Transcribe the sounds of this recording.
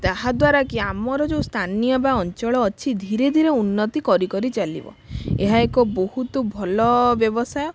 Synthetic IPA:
t̪aɦad̪waɾakiamɔɾɔd͡ʒew̃st̪ʰanijɔbaɔnt͡ʃɔɭɔːt͡ʃʰid̪ʱiɾed̪ʱiɾeunːɔt̪ikɔɾikɔɾit͡ʃalḭbɔ̰eɦaekɔbɔhut̪ɔbʱɔlɔbjɔbɔsajɔ

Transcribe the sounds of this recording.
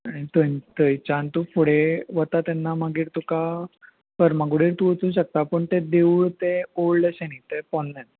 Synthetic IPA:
aɽ̃it̪ənt̪əjt͡ɕant̪ufʰoɽeʋət̪at̪ɛnːaməɡiːɾt̪uka | kəɾmaɡɽiːɾt̪uət͡s̪ũːnɕək̚t̪apəɳt̪ed̪euɭt̪eoɽləɕeñit̪epɔnːɛ̃n

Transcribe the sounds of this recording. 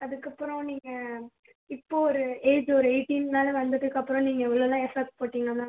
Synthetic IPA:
ɐðɯkːɐpːɯɾõniːŋɡɐ | ɪpːoːɔɾɯeːd͡ʒɔɾɯeɪʈːiːnnaːlɐʋɐnd̪ɯʈːɯkːɐpːɯɾɔ̃niːŋɡɐɛʋɐɭoːlãːɛfɐp̚ʈpoːʈːiːŋɡɐnãː

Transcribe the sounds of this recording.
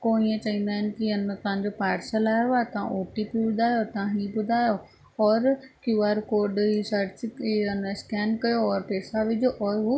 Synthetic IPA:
koːɽ̃iə̃t͡ɕɐɦĩːnd̪aːɦɪnɪ̆kiɪnət̪ɐɦãɲd͡ʑopaːɾsəlaːɾoaːt̪ɐʋã̰ʔoːʈipibʊd̪ʱaːjot̪ɐʋãɦiːbʊd̪ʱaːjo | ɔːɾkjuaːɾkoːɾɖɦisɐɾt͡ɕiɐnskɛːnkɐjoɔːɾpeːsaʋɪd͡ʒoʔɔːɾɦu

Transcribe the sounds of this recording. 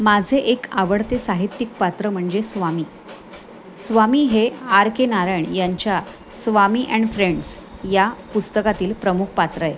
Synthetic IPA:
mad͡zʱeʔekaʋəɽt̪esaɦit̪ːik̚pat̪ɾəm̤əɳd͡zesʋamiː | sʋamiːɦeaɾkenaɾəɳjaɲt͡ɕja | sʋamiːʔɛ̃ɳɖfɾeɳɖs | japust̪əkat̪iːlpɾəmukʰpat̪ɾəe

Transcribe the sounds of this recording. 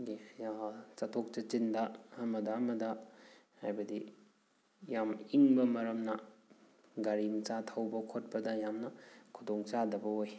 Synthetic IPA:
ɡijat͡ʃatʰok̚t͡ʃɐt͡ʃindɐːmɐdɐːmɐdɐ | hajbɐdi | jamiŋbɐmɐɾɐmnɐ | ɡaɾiŋt͡ʃatʰɐwbɐkʰot̚pɐdɐjamnɐkʰudoŋt͡ʃadɐbɐoj

